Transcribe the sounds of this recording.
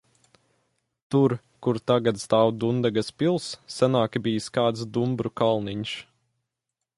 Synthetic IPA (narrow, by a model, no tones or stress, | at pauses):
t̪uɾ | kuɾt̪aɡat̪st̪aːwd̪und̪aɡaspilˠsːanaːkʲbijskaːt̪sd̪umbɾukalˠniɲʃ